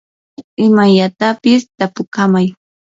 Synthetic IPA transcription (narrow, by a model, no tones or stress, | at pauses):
ɪmaʎat̪apɪst̪apʊkamaj